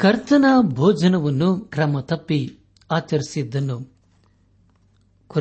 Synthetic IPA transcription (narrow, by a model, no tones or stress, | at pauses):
kɐɾt̪ɐnaːbʱɔːd͡ʒɐnɐʋɐnːukɾɐmɐt̪ɐpːi | aːt͡ʃɐɾisid̪ːɐnːu | ku